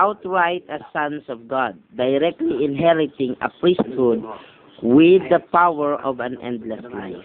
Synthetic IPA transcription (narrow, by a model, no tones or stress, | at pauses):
awt̪ɹajt̪asãnsɔvɡad̪̚ːajɾɛk̚t̪liɪ̃nɦɛɹɪt̪ɪ̃ŋɐ̰pɹist̪̚hʊd̪̚ | wɪd̪ːəpawɛɹɔvãnɛ̰̃nd̪lɛsla̰ɪf